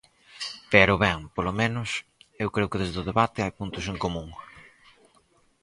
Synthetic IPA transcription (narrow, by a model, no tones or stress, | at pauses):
peɾʊβɛŋpolomẽnʊsewkɾeʊkɪðezðʊðeβat̪ɪajpunt̪ʊseŋkomũŋ